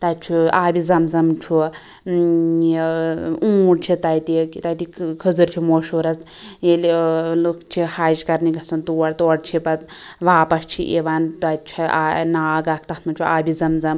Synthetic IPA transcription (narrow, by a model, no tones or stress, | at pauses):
t̪ɐtt͡ʃʰuaːbizɐmzɐmt͡ʃʰu | ũːɽt͡ʃʰit̪ɐjt̪ikt̪ɐjt̪ikʰəzɨɾt͡ʃʰimoːʃoːɾɐs | jellokt͡ʃʰihaːd͡ʒkɐɾniɡɐsɐnt̪uɐɽt̪oɐɽt͡ʃʰipɐt̪ʋaːpɐst͡ʃʰḭʔeʋaːnt̪ɐt̪̚t͡ʃʰia̰naːɡaːk̚ʰt̪ɐt̪ʰmɐnt͡ʃʰuʔaːbizɐmzɐm